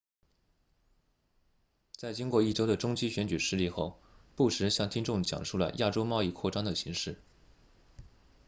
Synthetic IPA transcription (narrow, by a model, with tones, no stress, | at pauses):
t͡sa˥˩ɪt͡ɕi˥ŋkwɔ˥˧i˥˩ʈ͡ʂo˥ʊd̪ə˨ʈ͡ʂʊ˥ŋt͡ɕi˥ɕɥɛ˧˥nt͡ɕy˨˩ʂɻ̩˥˧li˥˧xo˥˧ʊpu˥˩ʂɻ̩˧˥ɕjɑ˥˩ŋt̪ʰi˥ŋʈ͡ʂʊ˥˩ŋt͡ɕjɑ̰˨˩ŋʂu˥˩lə̰˩jʔa˥˩ʈ͡ʂo˥ʊmɑ˥˧ʊi˥˧kʰwɔ˥˩ʈ͡ʂɑ˥ŋd̪ə˨˩ɕi˧˥ŋʂɻ̩˥˩